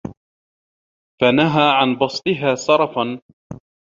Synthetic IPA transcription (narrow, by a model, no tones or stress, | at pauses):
fanaɦaːʕanbɑsˤt̪ˤɪɦaːsɑɾˤɑfan